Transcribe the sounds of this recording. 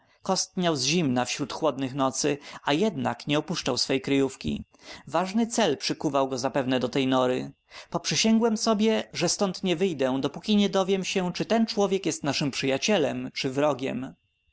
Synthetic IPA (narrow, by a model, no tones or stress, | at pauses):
kɔst̪̚ɲʲawzʑimnafɕɾut̪xwɔd̪nɘxnɔt̪sɘajɛd̪na̰kɲɛɔpuʂt͡ʂawsfɛjkɾɘjufkʲḭ | vaʐnɘt̪sɛlpʂɘkuvawɡɔzapɛvnɛd̪ɔt̪ɛjnɔɾɘ | pɔpʂɘɕɛŋɡwɛmsɔbʲjɛʐɛst̪ɔnt̪ɲɛvɘjd̪ɛ̃d̪ɔpukʲiɲɛd̪ɔvʲjɛmɕɛt͡ʂɘt̪ɛnt͡ʂwɔvʲjɛkjɛst̪naʂɘmpʂɘjat͡ɕɛlɛmt͡ʂɘvɾɔɡʲɛ̰m